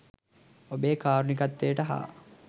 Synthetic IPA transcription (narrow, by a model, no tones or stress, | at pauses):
obeːkaːɾunikat̪ːejəʈəɦa̰ː